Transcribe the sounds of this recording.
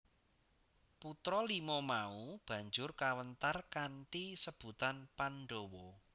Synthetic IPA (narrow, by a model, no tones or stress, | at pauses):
put̪ɾɔlimɔmaub̥ä̤ɲd͡ʒʊrkawənt̪arkanʈisəb̥ṳt̪anpanɖowɔ